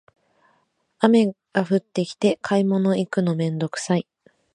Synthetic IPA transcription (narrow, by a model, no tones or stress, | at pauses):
ame̞ | ɡ̥aɸɯ̟t̪ːe̞kʲi̥t̪e̞kʰaimo̞no̞ikɯ̟no̞mẽ̞nd̪o̞kɯ̟̥sai